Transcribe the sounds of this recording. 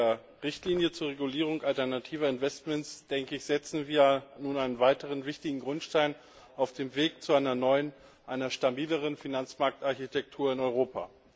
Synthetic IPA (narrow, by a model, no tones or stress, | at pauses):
ɐ | ʁɪçtliːnjət͡suːɐʁeɡuliːʁ̞ʊŋʔaltɛɐnatʰiːvɐɪnv̥ɛstmɛntsd̥ɛŋkəɪçz̥ɛt͡sn̩viːɐjanuːnʔaɪnənvaɪtəʁ̞ənvɪçtɪɡŋ̩ɡʁʊntʃtaɪn | aʊfd̥eːmveːk̚t͡suaɪnɐnɔʏən | ʔaɪnɐʃtabiːləʁ̞ənfinant͡smaɐk̚tʔaɐçitʰɛk̚tʰuːɐɪnɔʏʁ̞oːpʰa̰